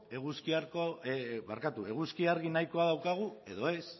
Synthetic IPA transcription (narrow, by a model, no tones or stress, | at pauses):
e̞ɣuskiaɾkoβa̰ɾkat̪ue̞ɣuskiaɾɣinajko̞aðawkaɣ̞ue̞ðo̞e̞s